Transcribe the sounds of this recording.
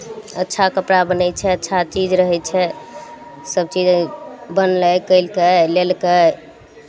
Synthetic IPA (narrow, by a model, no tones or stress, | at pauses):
ətːʃʰakəpɽabənɛt͡ʃʰɛətːʃʰat͡ʃid͡ʒɾəɦɛt͡ʃʰɛ | səb̚t͡ʃid͡ʒbənlɛkəɪlkɛlelkɛ